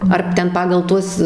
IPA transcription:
ɐr ˈtʲɛn ˈpɑːɡɐlˠ ˈtuɔs

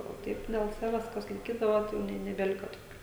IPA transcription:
oː ˈtɐɪp dʲɛlˠ ˈsɑːʋʲɛs kɐs lˠɐɪˈkʲiːdɐʋɐ jɛʊ ˈnʲɛ nʲɛbʲɛˈlʲɪkɐ toːˈkʲuː

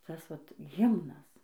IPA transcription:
ˈtɐs ˈʋɐt ˈɣʲɪmnɐs

